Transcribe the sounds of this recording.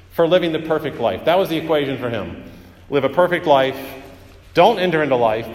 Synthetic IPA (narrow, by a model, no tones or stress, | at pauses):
fə˞lɪvɪ̃ŋðɨpʰɜ˞fɨk̚tˡlaɪfðət̚wʌzðiɨkʰw̥eɪʒɨ̃nfə˞ɪ̰̃m | lɪvɨpʰɜ˞fɪk̚tˡlaɪf | d̥õʊ̃ntɛ̃ntə˞ɪ̃ntulaɪf